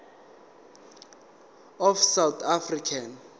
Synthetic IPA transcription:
ɔfsawt̪ʰafrikʰan

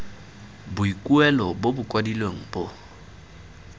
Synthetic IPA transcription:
bʊikʼuɛlɔbobʊkʼwadilweŋ̩bo

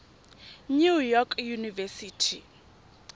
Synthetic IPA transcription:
nujɔkʰjunivɛsiːtʰi

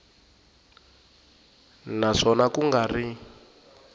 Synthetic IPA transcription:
naʂɔnakuŋɡari

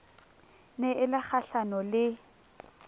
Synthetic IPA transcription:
nɛʔɪlɪk͡xʰaɬanɔlɪ

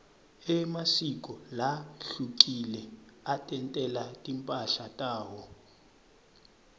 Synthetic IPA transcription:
ɛmasikʼɔlaɬukilɛatʼɛntʼɛlatʼimpʼaɬatʼaːwɔ

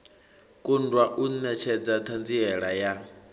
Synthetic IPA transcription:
kʼundwaʔunnɛt͡ʃʰɛd͡zat̪ʰand͡ziɛɺaja

